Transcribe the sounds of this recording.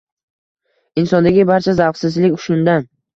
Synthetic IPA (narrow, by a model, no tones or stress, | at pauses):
ɪnsɒnd̪aɡʲɪbaɾt͡ʃʰazawfsɪzlɪkʲʊ̥ʃʊnd̪an